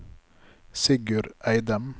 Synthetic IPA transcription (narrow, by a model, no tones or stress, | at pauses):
sɪɡʉɾʔæɪd̪əm